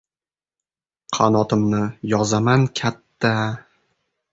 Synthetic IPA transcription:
qʰɑnɒt̪ʰɪmnɪjɒzamankʲʰat̪ʰːa

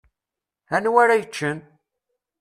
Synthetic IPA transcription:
ænwaɾajət͡ʃːən

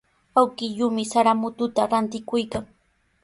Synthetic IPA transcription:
awkɪʎʊmɪsaɾamʊt̪ʊt̪aɾant̪ɪkʊjkaŋ

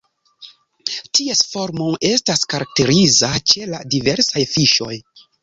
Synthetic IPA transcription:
tiesfo̞ɾmoe̞staskaɾak̚te̞ɾizat͡ʃe̞ladive̞ɾsajfiʃo̞j

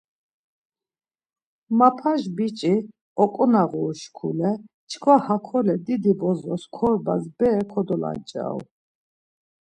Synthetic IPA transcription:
mapʰaʒbit͡ʃʼi | ɔkʼɔnaʁuːʃkʰṵlɛ | t͡ʃʰkʰwahakʰɔlɛd̪id̪ibɔzɔskʰɔɾbazbɛːkʰɔd̪ɔla̰nt͡ʃʼa̰w

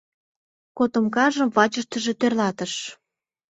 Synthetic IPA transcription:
kot̪ə̆mkɑʒə̆mvɑt͡ɕəʃt̪ə̆ʒet̪ørlɑt̪ə̆ʃ

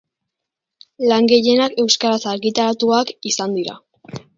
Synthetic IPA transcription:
laŋɡe̞je̞nake̞wskaɾasaɾɣit̪aɾat̪uakisand̪iɾa̰

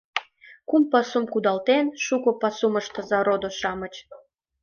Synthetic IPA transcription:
kumpɑsumkud̪ɑlt̪enʃukopɑsuməʃt̪əzɑɾod̪oʃɑmət͡ɕ

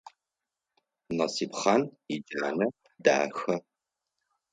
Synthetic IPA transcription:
nɐsiːpχanid͡ʒaːnɐ | da̰ːxɐ

